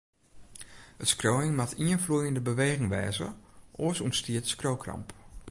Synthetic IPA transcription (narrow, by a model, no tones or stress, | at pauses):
ətskrowɪŋmatʰiənflujəndəbəʋeːɣɪŋʋɛ̰ːzə̰ʔɔsunstiətskrowkrɑ̰mp